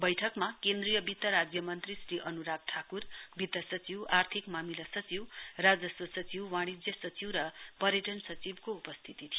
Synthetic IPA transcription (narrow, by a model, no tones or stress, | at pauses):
bʌjʈʰʌkmakend̪rijʌbit̪ːʌɾad͡zjʌmʌnt̪risɾiʔʌnuɾak̚ʈʰakurbit̪ːʌsʌt͡siwart̪ʰikmamilasʌt͡siwrad͡zʌsʌsʌt͡siwːaɽ̃id͡zjʌsʌt͡siwɾʌpʌɾjeʈʌnsʌt͡sibkoupʌst̪ʰit̪it̪ʰi